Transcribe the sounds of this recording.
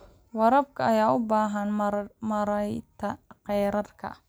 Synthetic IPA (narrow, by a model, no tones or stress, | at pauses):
wɑɾɐb̚kʰɐɐjaːʊbaːɦɐnmɐɾɐjt̪ʰɐqɛjɾɐrkʰɐ̰